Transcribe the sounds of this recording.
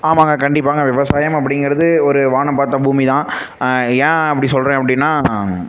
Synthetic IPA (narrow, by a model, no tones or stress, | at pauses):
aːʋãːŋɡɐkɐɳɖɪpːaːŋɡɐʋɪʋɐsaːjɐmɐp̬ːɐɽɪŋɡɪɾɐðɯɔɾɯʋaːɳɐpaːɾt̪ːɐ̃buːmit̪ãː | ɛ̃ːɐpːɐɽisɔlɾẽːɐpːɐɽɪnːaː